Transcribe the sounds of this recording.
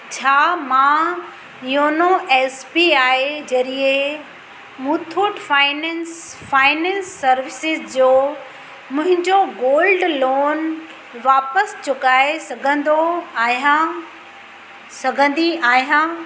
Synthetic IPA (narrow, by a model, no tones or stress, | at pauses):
t͡ɕʰaːmã | joːnoɛːspiaːɦed͡ʑɐɾie | mũt̪ʰuːʈfaːɪnɛnsfaːɪnɛ̃ːnsːɐɾʋɪsɪzd͡ʑoː | mʊ̃ɦɪ̃ɲd͡ʑoɡoːlɖloːn | ʋaːpəst͡ɕʊkaːesɐɡʱə̃nd̪oã | sɐɡʱə̃nd̪iaːɦijãː